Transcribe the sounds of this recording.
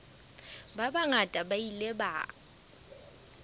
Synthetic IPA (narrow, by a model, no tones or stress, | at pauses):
babaŋatʼabaileba̰ː